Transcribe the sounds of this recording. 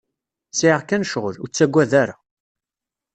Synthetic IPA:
siʕəʁkːænʃʁəɾut͡sːæɡʷːæðæɾa̰

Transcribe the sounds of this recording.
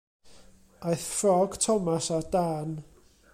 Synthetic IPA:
ajθfrɔɡ̥tʰɔmasadaːn

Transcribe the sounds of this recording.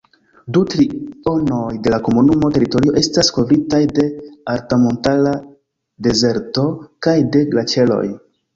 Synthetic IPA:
dutɾio̞no̞jde̞lako̞munumo̞te̞ɾito̞ɾio̞ʔe̞stasko̞vɾitajde̞aɾtamo̞ntala | de̞ze̞ɾto̞kajde̞ɡlat͡ʃe̞lo̞̰j

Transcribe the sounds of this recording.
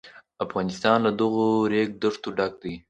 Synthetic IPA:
afɣɑnɪst̪ɑnlad̪əɣoɾek̚d̪əʂt̪oɖak̚d̪ij

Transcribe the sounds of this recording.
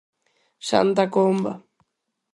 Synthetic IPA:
sa̰nt̪akomba̰

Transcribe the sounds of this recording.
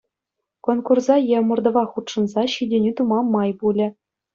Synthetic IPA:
konkurzɑjemɤ̆rd̪ɤ̆ʋɑχut̪ʂɤ̆nzɑɕidʲenʲit̪umɑmːɑjpulʲɘ̆

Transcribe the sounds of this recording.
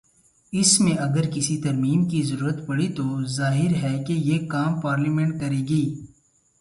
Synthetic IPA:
ɪsmẽɐɡəɾkɪsit̪ɐɾmiːmkizɐɾuːɾət̪pɐɽit̪ozaːɦɪɾɦɛkejeːkaːmpaːɾlimẽɳʈ̚kɐɾeːɡiː

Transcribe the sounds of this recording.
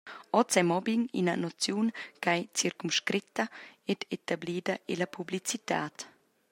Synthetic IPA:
ɔtt͡sɛmɔbiŋḭnɐnɔt͡sjuːnkajt͡siɾkumʃkɾit̪ːɐɛd̪et̪abliːd̪ɐʔelɐpʰublit͡sit̪a̰ːt̪

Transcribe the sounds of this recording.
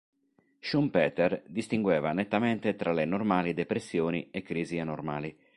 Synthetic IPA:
ʃumpɛːt̪ɛrd̪ist̪iŋɡwɛːvanet̪ːamɛnt̪et̪ɾalenormaːlid̪ɛpɾesːjoːniɛkːɾiːzianorma̰ːli

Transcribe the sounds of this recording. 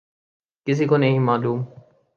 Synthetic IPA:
kɪs̬ikonɐɦĩmaːluːm

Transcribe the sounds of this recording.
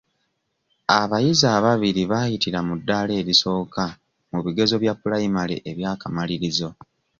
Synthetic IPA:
aβajizaːβaβiɾiβajitiɾamudːaːle̞ːβiso̞ːka | muβiɡe̞zo̞βjapːulajimalḛʔeβjaːkamaliɾizo̞

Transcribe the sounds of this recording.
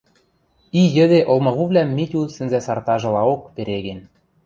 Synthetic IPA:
ijɘ̆d̪eʔolmɤɣuβlʲæmːitʲusɘ̆nzæsɑrt̪ɑʒɤ̆lɑokpeɾeɣen

